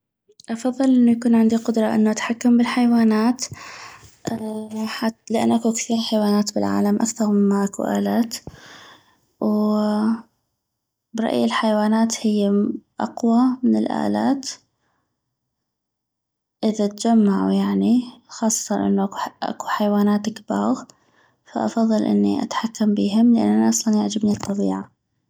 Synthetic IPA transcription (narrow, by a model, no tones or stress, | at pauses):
ʔɑfɑðˤːɨlʔɪnːujakuːnʕɪnd̪iqʊd̪ɾˤɑʔɪ̰nːuʔat̪ħakːambɪlħajwaːnaːt̪ | ʔħalɪʔa̰nːʔakukθiːɾħajwaːnaːt̪bɪ̰lʕa̰ːlamʔakθɑɾˤmɪmːaʔakṵʔa̰ːlaːt̪ | w | bɾˤɑ̰ʔjɪlħajwaːnaːt̪hɪjːaʔɑqwamɪnɪlʔa̰ːlaːt̪ | ʔɪðat̪d͡ʒamːaʕṵjaʕnixɑːsˤːɑ̥t̪ɑnʔɪ̰nːuʔaʔa̰kuħajwaːnaːt̪akbɑːɣ | fa̰ʔɑ̰fɑðˤːɨlʔɪ̰nːḭʔa̰t̪ħakːambiːɦɪmlɪʔa̰nːʔanaʔɑsˤlɑnjaʕd͡ʒɪbnit̪ˤːɑbiːʕa